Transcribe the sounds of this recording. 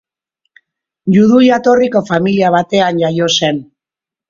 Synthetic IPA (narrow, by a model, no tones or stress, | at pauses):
juðujat̪o̞riko̞familiaβ̞at̪e̞anʝajo̞se̞n